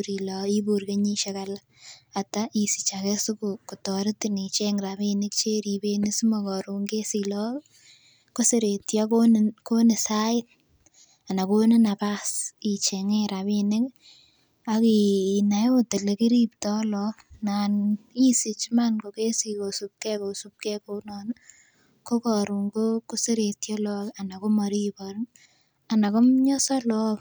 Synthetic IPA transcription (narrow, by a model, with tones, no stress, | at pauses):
ɾilɔi˦buɾke˦ɲi˦ʃekala | atai˨si̥˨t͡ʃake˦su˦kukutɔɾɪtini˨t͡ʃeŋɾaβinɪ˦k̚t͡ʃe˦ɾi˨be˦nɪ˦su˦mokɔɾu˨ŋɡe˦silɔ | ko˦seɾetjakonko˦nɪ˨saɪ˦l | a˨na˨ko˦nɪ˦napasit͡ʃeŋeɾaβinɪk | a˨ki˨na˨jo˦te˨le˨ki˦ɾiptɔ˦lɔna˨ni˦si˨t͡ʃmanko˨ke˦si˨ko˨su˨p̚kɛ˦ko˨sup̚kɛ˦ko˦nɔn | ko˦kɔɾu˨ŋɡoko˦se˦ɾe˨tjɔ˦lɔla˨na˨ko˦mɔɾi˦pɔɾn | a˨na˨ko˦mɲɔ˦sɔ˦lɔ˦k